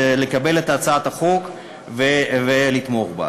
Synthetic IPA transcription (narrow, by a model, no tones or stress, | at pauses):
lekabe̞let̪aːt͡saat̪haχok | vevelit̪mo̞χba̰